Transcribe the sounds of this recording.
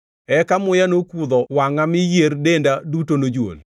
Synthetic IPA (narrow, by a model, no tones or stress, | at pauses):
ɛkamʊjanokud̪ɔwaŋamɪjerdendadutonod͡ʒwo̰l